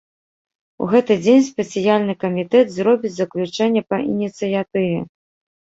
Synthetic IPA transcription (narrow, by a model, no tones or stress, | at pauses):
ṵɣɛt̪ɨd͡zʲenʲspʲɛt̪sijalʲnɨkɐmʲit̪ɛd̪zɾɔbʲit͡sʲzɐklʲut͡ʂɛnʲːɛpɐʔḭnʲit̪sɨjat̪ɨvʲɛ̰